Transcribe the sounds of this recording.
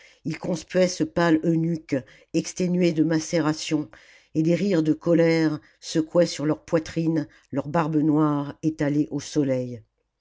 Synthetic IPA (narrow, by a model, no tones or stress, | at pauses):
ilkɔ̃spɥɛsəpalønykʲ | ɛkst̪enɥed̪əmasɛʁasjɔ̃ | ed̪eʁiʁd̪əkɔlɛʁ | səkwɛsyʁlœʁpwat̪χin | lœʁbaʁbənwaʁet̪aleʔosɔlɛj